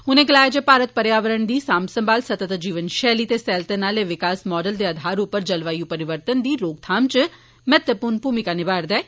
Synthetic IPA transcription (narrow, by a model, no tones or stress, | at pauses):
ɦʊnẽːɡəlaːjed͡ʒəːpaːɾət̪̚pəɾjaːʋəɾəɳd̪iːsaːmsəmbaːlsət̪ət̪d͡ʒiːʋənʃɛːliːt̪eːsɛːlt̪ənaːleːʋɪkaːsmɔːɖəld̪eːəd̪ʱaːɾʊpːəɾd͡ʒəlʋaːiuːpəɾɪʋəɾt̪ənd̪iːɾoːɡ̚t̪ʰaːmt͡ʃə | mɛt̪əpuːɾnpuːmɪkaːnɪbaːɾd̪ɛː